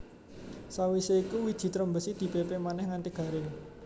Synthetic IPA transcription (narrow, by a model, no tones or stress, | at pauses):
sawiseikuwid̥ʒ̥i̤t̪ɾəmbəsid̪̥i̤pepemanɛhŋant̪iɡ̥a̤ɾɪŋ